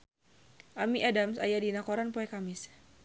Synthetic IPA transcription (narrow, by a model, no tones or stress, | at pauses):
ʔamiʔadamsa̰jadinakɔɾanpɔɛkamɪs